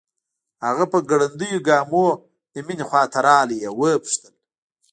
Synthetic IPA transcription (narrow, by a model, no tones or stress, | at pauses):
haɣapəɡaɽand̪əjoɡɑːmo | d̪əminixwɑːt̪aɾɑːlijewəpʂt̪əl